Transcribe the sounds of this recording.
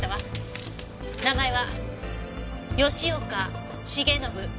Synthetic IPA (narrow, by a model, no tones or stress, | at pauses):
aβa | naɡaiβa | jo̞ɕio̞ka | ɕiɡe̞no̞bɯ̟